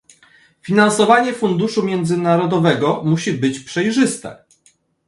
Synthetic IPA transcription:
fʲinansɔvaɲɛfund̪uʂumʲjɛnd̪zɘnaɾɔd̪ɔvɛɡɔmuɕibɘt͡ɕpʂɛjʐɘst̪ɛ̰

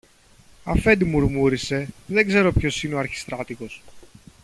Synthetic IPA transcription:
ɐ̰fe̞nd̪imuɾmuɾise̞ðe̞ɡze̞ɾo̞pço̞sineoɐɾçi̥st̪ɾɐt̪iko̞s

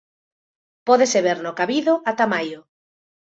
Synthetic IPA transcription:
pɔðeseβ̞eɾnokaβiðʊʔat̪amajʊ

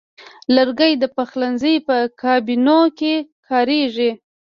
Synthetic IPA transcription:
ləɾɡəjd̪əpaxlanzəjpəkʰɑbinokekʰɑɾeʐi

